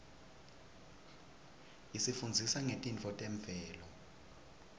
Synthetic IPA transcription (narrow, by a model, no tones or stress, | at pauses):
isifund͡zʱisaŋetʼint͡fʰɔtʼɛɱb̪vɛːlɔ